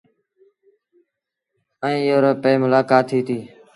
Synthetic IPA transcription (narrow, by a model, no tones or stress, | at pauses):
əĩːjoːɾoːpeːmʊlaːkaːt̪ʰːiːt̪ʰiː